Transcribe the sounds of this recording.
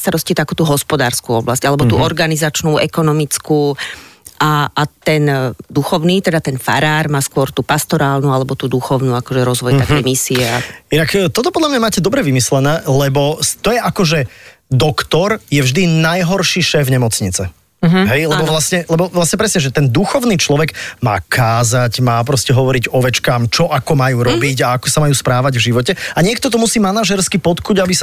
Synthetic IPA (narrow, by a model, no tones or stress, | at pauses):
st̪aɾɔscit̪akuːt̪uːɦɔspɔd̪aːɾskuɔblascalɛbɔt̪uːʔɔɾɡanizat͡ʃnuːʔɛ̰kɔnɔmit͡skuːʔaːt̪ɛnd̪uxɔʊniːt̪ɛd̪at̪ɛnfa̰ɾaːɾmaːskʊɔɾt̪uːpast̪ɔɾaːlnualɛbɔt̪uːd̪uxɔʊnuːakɔʒɛɾɔzʋɔjt̪akɛjmisiɛainakt̪ɔt̪ɔpɔd̪lamɲamaːcɛd̪ɔbɾɛʋimislɛnɛːlɛbɔst̪ɔjɛʔakɔʒɛd̪ɔkt̪ɔɾjɛvʒd̪inajɦɔɾʃiʃɛːfɲɛmɔt͡sɲit͡sɛ | ɦɛjlɛbɔʋlasɲɛlɛbɔʋlasɲɛpɾɛsɲɛʒɛt̪ɛnd̪uxɔʊniːt͡ʃlɔʋɛɡma̰ːkʰaːzaɟmaːp̬ɾɔscɛɦɔʋɔɾiɟɔʋɛt͡ʃkaːmt͡ʃɔʔakɔmajuːɾɔbiɟaakɔsamajuːspɾaːʋaɟvʒiʋɔcɛaɲɪɛk̚t̪ɔt̪ɔmusiːmanaʒɛɾskipɔt̪kuːɟabisa